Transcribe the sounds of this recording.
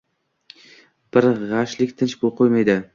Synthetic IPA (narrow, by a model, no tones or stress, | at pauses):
b̥ɪɾʁɑʃlɪkʲt̪ʰɪnt͡ʃbolˠqʰojmajd̪ɪ